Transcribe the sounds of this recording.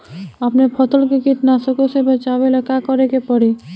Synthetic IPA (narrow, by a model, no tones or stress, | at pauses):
əpnepʰət̪əlkekiʈ̪nasəkosebət͡ʃabelekakɔɾekepəɽi